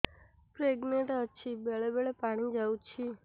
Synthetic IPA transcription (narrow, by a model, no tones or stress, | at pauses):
pɾeɡneɳʈət͡ʃʰibeɭebeɭepaɽ̃id͡ʒawt͡ʃʰi